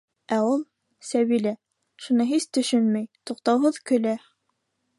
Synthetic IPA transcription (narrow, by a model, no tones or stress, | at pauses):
æulˠ | sæβilæ | ʃunɤɦist̪ɵ̆ʃɵnmæjt̪uqt̪ɑwɦɤðkɵ̆læ